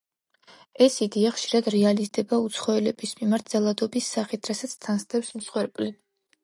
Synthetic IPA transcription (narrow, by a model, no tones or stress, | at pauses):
ɛsid̪iaχʃiɾad̪ɾɛalizd̪ɛbaut̪sʰχɔɛlɛbismimaɾt̪̚ʰz̥alˠad̪ɔbisːaχit̪ʰɾasat̪sʰt̪ʰanst̪ʰɛpsmsχwɛɾpʼli